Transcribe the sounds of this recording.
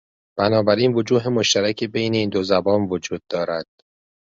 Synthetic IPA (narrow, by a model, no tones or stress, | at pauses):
b̥ænɒːbæɾiːnvo̞d͡ʒuːɦemo̞ʃt̪æɾæcʰebe̞jneiːnd̪ozæbɒːnvod͡ʒuːd̪̚ːɒːɾæd̪̥